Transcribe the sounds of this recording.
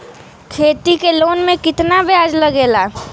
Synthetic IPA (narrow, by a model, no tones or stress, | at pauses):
kʰeːt̪ikeloːnmẽkɪt̪nabɪaːd͡ʒlɐɡeːlaː